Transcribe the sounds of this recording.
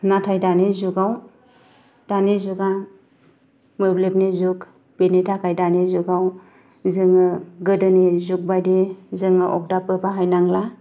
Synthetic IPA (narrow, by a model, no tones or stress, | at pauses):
natʰajdanezuɡaw | d̥anezuɡa | mɯɾlepnizuk | b̥enetʰakʰajdanezuɡaw | zɯŋɯɡɯdɯnezuk̚bajdezɯŋɯʔɔk̚dapɯbaɦajnaŋla